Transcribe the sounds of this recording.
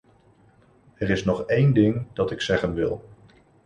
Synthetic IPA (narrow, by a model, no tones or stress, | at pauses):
ɛɾɪsnɔχejndɪŋd̥ɑtɪksɛχənʋɪ̰lˠ